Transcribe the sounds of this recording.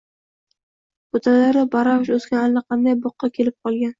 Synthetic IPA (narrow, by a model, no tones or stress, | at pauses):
ot̪ʰalaɾɪbaɾawʃɵskʲanalnaqʰɑnd̪ajboqːɑkʲʰe̞lɪp̚qʰɒlˠɡʲan